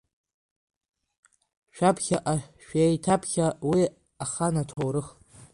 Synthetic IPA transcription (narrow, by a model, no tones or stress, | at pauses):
ʃᶣapʰχʲaʔaʃᶣejtʰapʰχʲawi | aχanatʰowɾɨχ